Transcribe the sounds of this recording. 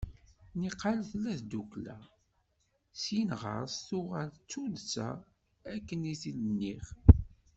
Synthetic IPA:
niqːalθlːæðd̪uklæ̰ | sjinʁə̰ɾˤsθʊʁælt͡sːuðt͡sːæ̰ | ækːəniθilənːiχ

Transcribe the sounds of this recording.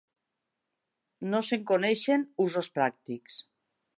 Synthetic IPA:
noseŋkoneʃenuzospɾak̚t̪iks

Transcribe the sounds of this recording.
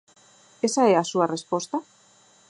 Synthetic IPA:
esaeasuare̞spo̞st̪a

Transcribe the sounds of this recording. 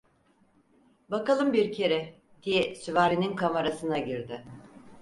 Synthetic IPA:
bakalˠɯmbiɾcʰe̞ɾɛ | d̪̥ijɛsyvaːɾininkʰamaɾasɯnaɟiɾd̪ɪ

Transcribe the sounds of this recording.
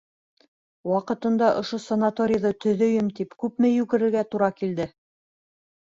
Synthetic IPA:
wɑqɤ̆t̪ɤ̆nd̪ɑʔŏʃosɐnat̪oɾʲɪjðɤt̪ɵ̆ðɵ̆jɘmt̪ipkʉpmɘjʉɣɘ̆ɾɘ̆ɾɡæt̪uɾɑkild̪ɘ

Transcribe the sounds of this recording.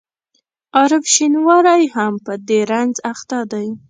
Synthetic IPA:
ɑɾɪfʃinwɑɾajhampəd̪eɾanzaxt̪ɑd̪aj

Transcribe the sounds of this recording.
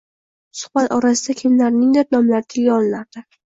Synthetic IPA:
sʊ̥χbat̪ɒɾasɪd̪akʲʰɪmlaɾnɪŋd̪eɾnɒmlaɾɪt̪ʰɪlɡʲaɒlˠɪnaɾd̪̥ɪ

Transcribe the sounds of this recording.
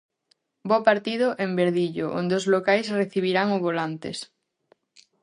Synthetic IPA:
bopaɾt̪ið̞oʔembeɾðiʎoʔõ̰nd̪eozlokajsreθiβ̞iɾaŋoβolant̪ḛs

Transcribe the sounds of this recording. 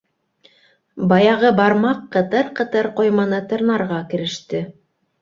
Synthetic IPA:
bɑjɑʁɤbɑɾmɑqːɤ̆t̪ɤɾqɤ̆t̪ɤɾqŏjmɑnɤt̪ɤ̆ɾnɑɾʁɑkɘ̆ɾɘ̆ʃt̪ɘ

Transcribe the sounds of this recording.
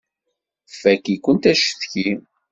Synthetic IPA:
fækːikʷːənt̪æʃəθçi

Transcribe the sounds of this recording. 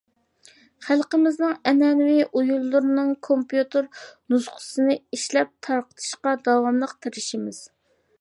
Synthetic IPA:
χælˠqəmɪznɨŋɛnɛnwiʔujulˠːʊɾɨnɨŋkʰompjut̪ɨɾnuzqʰʊ̥sɨnɨiʃlɛp̚t̪ʰɑɾqə̥t̪ʰɨ̥ʃqɑd̪ɑwɑmlˠəqt̪ʰeɾɪʃimɪz̥

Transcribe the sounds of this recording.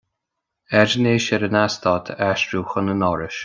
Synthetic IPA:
ɛd͡ʒneːʃɛɾənast̪ʰɔt̪ʰaʃɾuːxənənɔɾɪʃ

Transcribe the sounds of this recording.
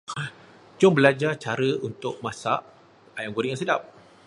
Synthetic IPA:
d͡ʒʊmbəlad͡ʒat͡ʃaɾəunt̪ʊʔ̚mãsa̰ʔ | ajamɡoɾiʔjãŋsədap̚

